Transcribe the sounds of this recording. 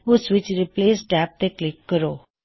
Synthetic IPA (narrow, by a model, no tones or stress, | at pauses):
ʊsʋɪt͡ʃɾɪpleːsʈæp̚t̪eklɪkːəɾo